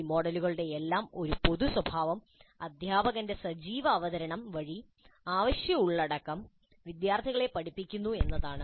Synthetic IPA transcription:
mo̞ːɽɐluɣɐɭɽe̞ːlːaːmo̞ɾupo̞ðuswɐbʱaːʋɐm | ɐd̪ʱjaːbɐɣɐnde̞sɐd͡ʑiːʋɐːʋɐðɐɾɐɳɐmʋɐɻi | aːʋɐɕjɐuɭːɐɽɐkːɐm | ʋid̪jaːrt̪ʰiɣɐɭe̞pɐʈʰipːikʲːunːue̞nːɐðaːɳɨ

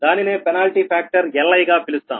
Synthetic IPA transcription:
d̪aːnine̞ːpɛnaːlʈiːpʰaːk̚ʈɐɾɛlːɐjɡaːpilust̪a̰ːm

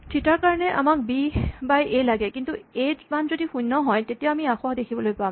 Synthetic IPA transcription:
tʰitaɹkaɹɔnɛʔa̰mak̚bibajʔelaɡɛkintued͡ʒmanzodixujnːɔɦɔjtetijaamiaxɔadekʰibɔlojpam

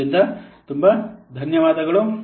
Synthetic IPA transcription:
ind̪ɐt̪umbɐd̪ʱɐnjɐʋaːd̪ɐɡɐɭu

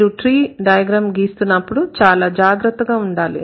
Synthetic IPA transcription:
ɾuʈɾiːɖɐjɐɡɾaːmɡiːst̪unːɐpːuɽut͡ʃaːlaːd͡ʒaːɡɾɐt̪ːɐɡaːuɳɖaːlḭ

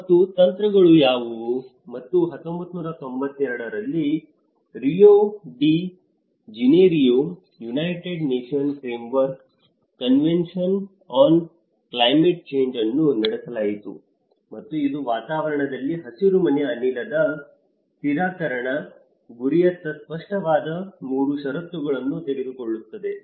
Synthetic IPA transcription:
mɐt̪ːut̪ɐnt̪ɾɐɡɐɭujaːʋu | mɐt̪ːuɦɐt̪ːombɐt̪ːnuːɾɐt̪o̞mbɐt̪ːɛɾɽɐɾɐlːi | ɾijoːɖi | d͡ʒineɾijum | junɐjʈeɖneːʂiɐnfɾeːmʋɐɾkː | ɐnʋenʂɐn | aːn | klɐjmeʈ̚t͡ʃe̞ːɲd͡ʒɐnːunɐɽesɐlaːjit̪ṵ | mɐt̪ːuid̪uʋaːt̪aːʋɐɾɐɳɐd̪ɐlːiɦɐsiɾumɐnɐɐnilɐd̪ɐ | t̪iɾaːkɐɾɐɳɐ | ɡuɾijɐt̪ːɐspɐʂʈɐʋaːd̪ɐmuːɾuʃɐɾɐt̪ːuɡɐɭɐnːut̪eɽed̪uko̞ɭːut̪ːɐd̪e̞

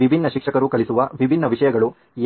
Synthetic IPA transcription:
ibʱinːɐʃikʂɐkɐɾukɐɭisuʋɐʋibʱinːɐʋiʂɐjɐɡɐɭu

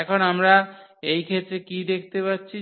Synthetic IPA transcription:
ɛkʰonamɾaejkʰet̪ːɾekid̪ekʰt̪epatːɕʰi

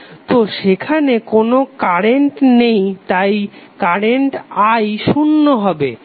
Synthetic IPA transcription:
t̪oʃekʰanekonokaɾeɳʈnejt̪ajkaɾeɳʈajʃunːoɦɔbe

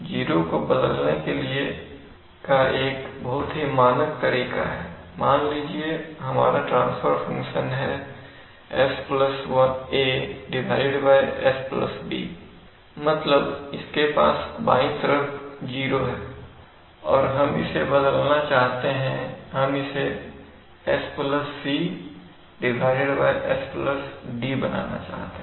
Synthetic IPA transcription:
d͡ʒiːɾokobɐd̪əlnekelie | kaʔeːkbɐɦʊt̪ɦimaːnək̚t̪ɐɾiːka̰ɦɛːmaːnliːd͡ʒieɦɐma̰ːɾaʈɾã̰ːnsfəɾfɐ̃ŋkʃənɦɛ̰ | ɛspləswɐneːɖɪʋaːɪɖbaːjɛsplɐ̰sbḭː | mɐt̪ləbɪskepa̰ːsbaːĩt̪əɾəkd͡ʒiːɾoɦɛː | ɔːɾɦɐmɪ̰sebɐd̪əlnat͡ʃaːɦt̪eɦɛ̃ɦɐmɪse | ɛspləsːi | ɖɪbʱaːɪɪɽbaːjʔɛspləsɖibɐna̰ːna̰t͡ʃa̰ːɦt̪e

